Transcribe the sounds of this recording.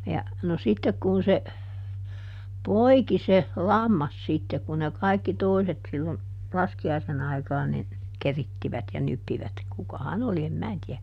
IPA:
jɑ no sitːek kun se poiki se lɑmːɑs sitːe kun ne kɑikːi toiset silːon lɑskiɑisen ɑikɑːn nin keritːiʋæt jɑ nypːiʋæt kukɑhɑn oli em mæː tiæ

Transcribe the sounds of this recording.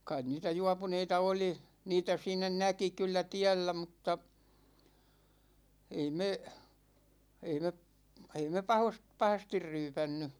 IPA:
kɑin niːtæ juɑpuneitɑ oli niːtæ siːnˑæ næki kylːæ tiælːæ mutːɑ ei me ei me p ei me pɑhost pɑhɑstir ryːpænːy

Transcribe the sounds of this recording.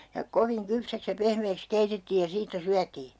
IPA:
jɑ koʋiŋ kypsæks jɑ pehmeːks keitetːiːj jɑ siːtːæ syætiː

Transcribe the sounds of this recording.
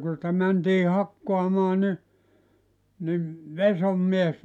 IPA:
ku nitæ mæntiː hɑkːoɑmɑː ni nim ʋesomːies

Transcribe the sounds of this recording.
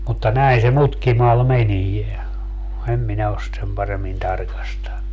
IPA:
mutːɑ næin se mutkimɑl menie em minæ os sĭt sem pɑremːin tɑrkɑstɑnːu

